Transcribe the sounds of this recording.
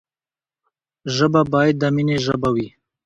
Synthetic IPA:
ʒəbabɑjad̪̚ːamineʒəbawi

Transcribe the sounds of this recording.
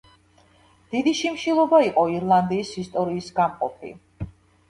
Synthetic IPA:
d̪̥id̪iʃimʃilˠɔbaiqʼɔiɾlˠand̪iːsist̪ʼɔɾiːsɡamqʼɔ̰pʰḭ

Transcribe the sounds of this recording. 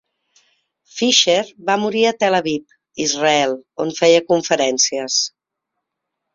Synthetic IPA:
fiʃeɾbamuɾiət̪eləβip̚ | izrəɛlˠonfɛjəkuɱfəɾɛnsiəs

